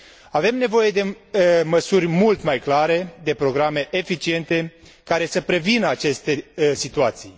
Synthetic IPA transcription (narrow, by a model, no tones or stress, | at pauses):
ave̞mne̞vo̞je̞d̪e̞ | məsurʲmult̪majklaɾe̞d̪e̞pɾo̞ɡɾame̞ʔefit͡ʃie̞nt̪e̞ | kaɾe̞səpɾe̞vinəat͡ʃe̞st̪e̞sit̪uat̪sij